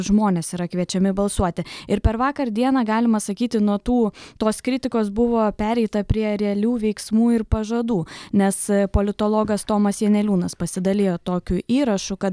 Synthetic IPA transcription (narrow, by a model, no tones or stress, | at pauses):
ʒmoːnʲeːsiːɾɐkʋʲiɛt͡ʃʲɛmʲɪbɐlˠsuɔt̪ʲɪɪɾpʲɛɾʋɑːkɐɾd̪ʲiɛnɑːɡɑːlʲɪmɐsɐkʲiːt̪ʲɪnuɔt̪uːt̪oːskɾʲɪt̪ʲɪkoːsbʊʋoːpʲæːɾʲɛɪt̪ɐpʲɾʲiɛɾʲɛɛlʲuːʋʲɛɪksmuːɪɾpɐʒɐd̪uːnʲɛspoːlʲɪt̪oːlˠoːɡɐst̪oːmɐsjʲiɛnʲɛlʲuːnɐspɐsʲɪd̪ɐlʲeːjoːt̪oːkʲʊʔiːɾɐʃʊkɐt̪